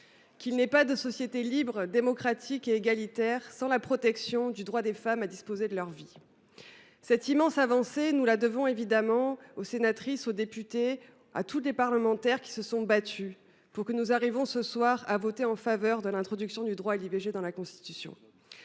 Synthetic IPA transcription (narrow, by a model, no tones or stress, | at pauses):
kilnɛpad̪əsɔsjet̪elibʁd̪emɔkχat̪ʰikeːɡalit̪ɛʁsɑ̃lapχɔt̪ɛksjɔ̃d̪yd̪ʁwad̪efamad̪ispozed̪əlœʁvi | sɛt̪imɑ̃savɑ̃senulad̪əvɔ̃evid̪amɑ̃osenat̪χisod̪epyt̪e | a̰t̪ulepaʁləmɑ̃t̪ɛʁkʲi̥səsɔ̃bat̪y | puʁkənuzaʁivɔ̃səswaʁavɔt̪eɑ̃favœʁd̪əlɛ̃t̪χɔd̪yksjɔ̃d̪yd̪ʁwaelibeʒed̪ɑ̃lakɔ̃st̪i̥t̪ysjɔ̰̃